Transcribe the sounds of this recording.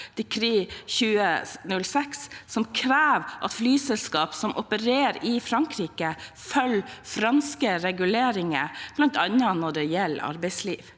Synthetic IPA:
d̪̥ɛkʰɾiːçʉːənʉlsɛksːɔmkʰɾæːʋʔɑ̰t̪flyːsɛlskɑːpsɔmʔɔpəɾeːɾɪfɾɑŋkʰɾiːkə | fœlfɾɑnskəɾɛɡʉleːɾɪŋəb̥lɑnt̪ʰɑnənɔɖɛjɛlːɑ̰ɾbɛɪsliːʋ

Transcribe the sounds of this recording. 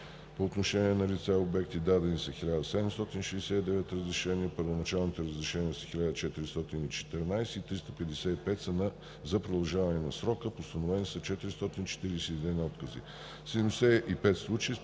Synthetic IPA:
poːt̪noʃɛniɛnɐlit̪saobɛk̚t̪id̪ad̪ɛnisɐxilʲad̪ɐsɛd̪ɛmst̪ɔt̪inʃɛsɛid̪ɛvɛt̪ɾəzɾɛʃɛniəpəɾvonɐt͡ʃalˠnit̪ɛɾəzɾɛʃɛniəsə̥xilʲad̪ət͡ʃɛt̪iɾist̪ɔt̪init͡ʃɛ̥t̪ɛɾnajsɛit̪ɾist̪əpɛd̪ɛsɛipɛt̪sɛna | zɐpɾod̪ɐlˠʒavɐnɛnɐsɾɔkəpost̪ɐnovɛnisɐt͡ʃɛt̪iɾist̪ɔt̪int͡ʃɛ̥t̪iɾsɛid̪ɛnɔt̪kəzḭ | sɛd̪ɛmd̪ɛsɛipɛt̪slˠut͡ʃiji

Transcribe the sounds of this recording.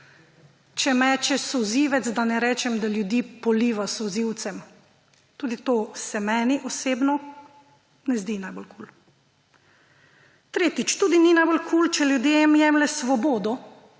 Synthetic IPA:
t͡ʃɛmɛːt͡ʃɛsɔziːʋɛt̪zd̪anɛɾɛːt͡ʃɛmd̪aljud̪iːpɔliːʋasɔziwt̪sɛm | t̪uːd̪it̪oːsɛmɛːniʔɔseːbnɔ | nɛzd̪inajbolkuːl | t̪ɾeːt̪it͡ʃt̪uːd̪ininajbolkʰuːlt͡ʃɛljud̪jemjɛːmlɛsʋɔboːd̪ɔ

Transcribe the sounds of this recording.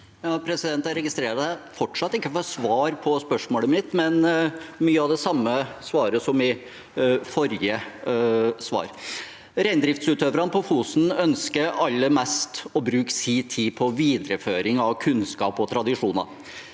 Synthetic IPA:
jɑːpʰɾɛsɪd̪ɛnt̪æɾɛɡɪst̪ɾeːɾɑt̪æfɔʈʂɑt̪ːɪkːəfɔsʋɑːɾpʰɔspœʂmoːləmɪt̪ːmɛnmyːəɑʋd̪ɛsɑmːəsʋɑːɾəsɔmɪ | fɔɾjə | sʋɑ̰ːɾ | ɾæɪnd̪ɾɪft̪sʉːt̪ʰøːʋɾɑnəpʰɔfuːsn̩œnskəɾɑlːəmɛst̪ɔbɾʉːksiːt̪ʰiːpʰɔʋiːd̪ɾəføːɾɪŋɑʋkʰʉnskɑ̰ːpɔt̪ʰɾɑd̪ɪʂuːnɑ̰

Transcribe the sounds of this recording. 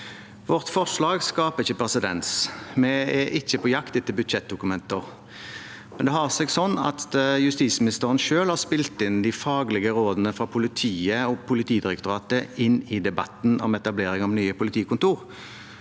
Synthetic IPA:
ʋɔʁt̪fɔʁʂlɑːɡskɑːpəɪçːəpʁɛsɪd̪ɛ̰nsmɛɛʔɪçːəpʰɔjɑkt̪ɪt̪ːəlbʉt̪ʃɛt̪̚d̪ʊkʉmɛnt̪əʁ | mɛnd̪ɛɦɑʁsɛɡsɔnːɑ̰t̪jʉst̪iːsmɪnɪst̪əʁənʃøːlhɑʁspɪlt̪ɪnd̪ɪfɑːɡlɪɡəʁoːd̪nəfʁɑpʰʊlɪt̪ʰiːəɔpʰʊlɪt̪ʰiːd̪ɪɾɛkt̪ʊʁɑːt̪əɪnɪd̪ɛbɑt̪nɔ̰mɛt̪ɑbleːɾɪŋɔmnyːəpʊlɪt̪ʰiːkʊnt̪uːʁ

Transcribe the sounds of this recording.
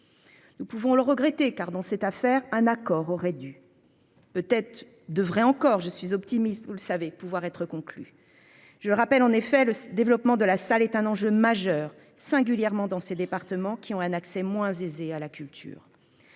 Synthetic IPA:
nupuvɔ̃ləʁəɡʁɛt̪ekaʁd̪ɑ̃sɛt̪afɛʁɛ̃nakɔʁɔʁɛd̪y | pøt̪ɛt̪χ | d̪əvʁɛɑ̃kɔʁʒəsɥizɔp̚t̪imist̪vuləsavepuvwaʁɛt̪χəkɔ̃kly̰ | ʒələʁapɛlɑ̃nefɛləd̪evlɔpmɑ̃d̪əlasalɛt̪ɛ̃nɑ̃ʒømaʒœʁ | sɛ̃ɡʲyljɛʁmɑ̃d̪ɑ̃sed̪epaʁt̪əmɑ̃kʲiɔ̃ɛ̃naksɛmwɛ̃zezealakʲylt̪ʰy̰ːʁ

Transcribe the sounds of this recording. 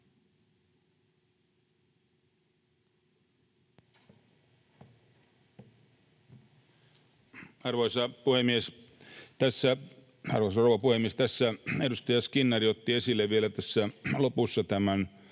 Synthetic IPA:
ɑrʋoisɑpuhemies | t̪æsːæ | ɑ̰rʋosɑroʋɑpuhemiest̪æsːæedust̪ɑjɑskinːɑriot̪ːiesilːeʋʋielæt̪æsːælopusːɑt̪æmæn

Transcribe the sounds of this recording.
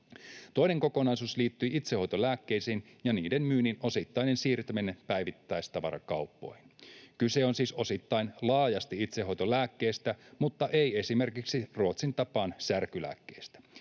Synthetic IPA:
t̪o̞jne̞ŋko̞ko̞nɑjsuːsliːt̪ːyiit̪seho̞jt̪olæːkːejsiːnjɑniːdenmyːnino̞sit̪ːɑjnensiːrt̪æmenːepæjʋit̪ːæjst̪ɑʋɑ̰ɾɑ̰kɑupːo̰jhinkyseonsiːso̞sit̪ːɑjnlɑːjɑst̪iit̪seɦo̞jt̪olæːkːeːst̪æmut̪ːɑʔeie̞sime̞rkiksiruot̪sint̪ɑpɑːnsærkylæ̰ːkːeist̪æ̥

